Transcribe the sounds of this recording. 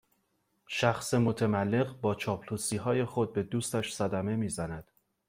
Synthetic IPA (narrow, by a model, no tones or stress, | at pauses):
ʃæxsemot̪ʰæmælːe̞ɢbɒːt͡ʃʰɒːpʰluːsiːɦɒːje̞xo̞d̪̚be̞d̪uːst̪æʃsæd̪æme̞miːzænæd̪̥